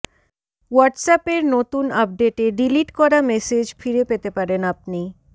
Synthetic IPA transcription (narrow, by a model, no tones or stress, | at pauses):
waʈsapeɾnot̪unap̚ɖeʈeɖiliʈkɔɾamɛsed͡ʑfiɾepet̪epaɾenapni